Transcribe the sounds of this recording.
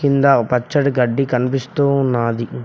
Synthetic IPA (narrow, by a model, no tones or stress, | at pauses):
kind̪apɐt͡ʃːɐɽɡɐɖːikɐnipist̪uːnːaːd̪i